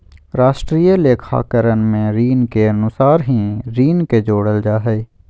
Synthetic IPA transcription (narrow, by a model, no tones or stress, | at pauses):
ɾaːʃʈɾiːjəleːkʰa̰ːkəɾənmẽɾiːnkeɐnʊsaːɾɦĩɾiːnked͡ʒoːɽəld͡ʒaːɦɛː